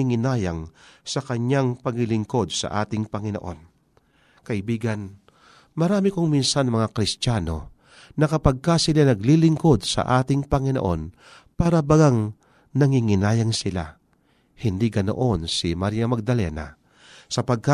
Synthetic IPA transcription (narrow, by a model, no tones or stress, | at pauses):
iŋɪnaːjaŋsɐkɐɲaŋpɐɡɪlɪŋko̞d̪̚sɐ̰ʔa̰ːt̪ɪŋpɐŋɪnoʔo̞̰n | kɐʔɪbiːɡɐn | mɐɾaːmɪkoŋminsanmɐŋakɾɪst̪aːno̞ | nɐkɐpɐɡ̚kasɪlanɐɡlilɪŋko̞d̪sɐ̰ʔaːt̪ɪŋpɐŋɪno̰ʔo̰n | paːɾɐbɐɡaŋ | nɐŋiŋɪnaːjɐŋsɪla̰ | hɪnd̪iɡɐno̰ʔo̞nsimaɾjɐmɐɡ̚d̪ɐlɛ̰na̰ | sɐpɐɡ̚ka